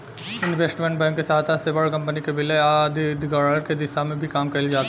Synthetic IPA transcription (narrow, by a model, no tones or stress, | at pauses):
ɪnʋeːsʈmẽɳʈ̚bɛ̃ːŋkːesaːt̪ʰasebəɽkɐ̃mpənikebɪleaːd̪ʱd̪ɡəəɾked̪ɪsamẽbʱikaːmkɐɪld͡ʒaːt̪ː